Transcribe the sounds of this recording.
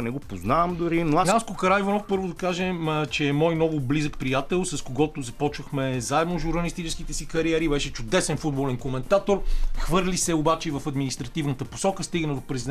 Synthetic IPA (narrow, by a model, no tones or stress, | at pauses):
nɛɡopoznavmd̪ʊɾinoaaskʊkɐɾajvɐnɔfpɤɾvʊd̪ɐkaʒɛt͡ʃɛːmɔjnɔvʊblizəkpɾijat̪ɛlˠsɐskoɡɔt̪ozɐpɔt͡ʃvəxmɛzaɛd̪noʒuɾnɐlist̪it͡ʃɛskit̪ɛsikɐɾiɛɾibɛʃɛt͡ʃʊd̪ɛsɛnfud̪̚bolɛnkomɛnt̪at̪oɾxvɤɾlisɛobat͡ʃɛivɐfɐd̪minist̪ɾɐt̪ivnət̪əpo̥sɔkəst̪iɡənɐd̪opɾɛzid̪